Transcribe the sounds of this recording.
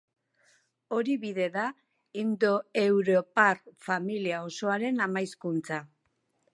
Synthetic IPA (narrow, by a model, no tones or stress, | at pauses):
o̞ɾiβiðe̞ða | ind̪o̞e̞wɾo̞parfamiliao̞so̞aɾe̞namajskunt͡sa